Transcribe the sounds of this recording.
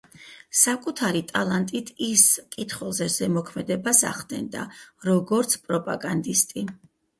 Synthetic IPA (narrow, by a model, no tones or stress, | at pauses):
sakʼut̪ʰaɾit̪ʼalˠant̪ʼit̪ʰiskʼit̪ʰχwɛlˠzɛzɛmɔkʰmɛd̪ɛbasa̰χd̪ɛ̰nd̪a̰ɾɔɡɔɾt̪sʰpʼɾɔpʼa̰ɡand̪ist̪ʼi